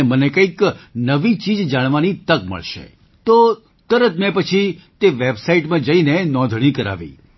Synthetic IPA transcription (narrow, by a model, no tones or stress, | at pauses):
mənekə̃iknəʋit͡ʃid͡ʒd͡ʒaɽ̃ʋanit̪əkmə̰ɭʃḛ | t̪o | t̪əɾət̪mɛ̃pət͡ʃʰit̪eʋebsaiʈmãd͡ʒəinenɔ̃d̪ʱɽ̃ikəɾa̰ʋḭ